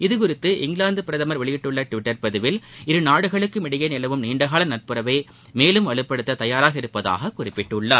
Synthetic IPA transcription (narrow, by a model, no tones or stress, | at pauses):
ɪðɯkʊɾɪt̪ːɯʔɪŋɡɭaːnd̪ɯpɪɾɐðɐmɐɾʋɐɭɪjɪʈːɯɭːɐʈʋɪʈːɐɾpɐðɯʋɪlɪɾɯnaːɽɯɣɐɭɯkːɯmɪɽɐjɐɪnɪlɐʋɯmniːɳɖɐɣaːlɐnɐʈ̚pɯɾɐʋeː | meːlɯmʋɐɭɯpːɐɽɯt̪ːɐt̪ɐjaːɾaːɣɐɪɾɯpːɐða̰ːɣɐkʊrɪpːɪʈːɯɭːɐ